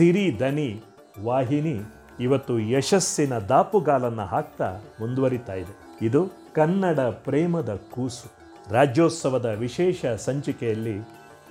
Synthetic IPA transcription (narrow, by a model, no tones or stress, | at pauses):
siɾid̪ʱɐni | ʋaːɦiniː | ʋɐt̪ːujɛʃɐsːinɐd̪aːpuɡaːlɐnːɐɦaːk̚t̪a̰ːmund̪uʋɐɾit̪aːjid̪e | id̪u | kɐnːɐɽɐpɾɛːmɐd̪ɐkuːsu̥ | ɾaːd͡ʒjoːt̪sɐʋɐd̪ɐʋiʃɛːʃɐsɐɲt͡ʃikɛjɐlːi